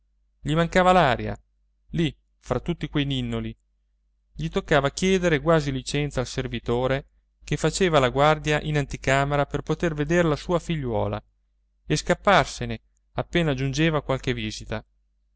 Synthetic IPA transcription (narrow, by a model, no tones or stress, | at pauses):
ʎimaŋkaːvalaːɾja̰ | li | fɾat̪ːut̪ːikwejninːoli | ʎit̪okːaːvakjɛːd̪eɾeɡwaːzilit͡ʃɛnt̪salservit̪oːɾe | kefat͡ʃeːvalaɡward̪jaʔinant̪ikaːmeɾaperpot̪erved̪eɾelasuːafiʎːwɔ̰ːla̰ | eskapːarsene | apːeːnad͡ʒund͡ʒeːvakwalkeviːzit̪a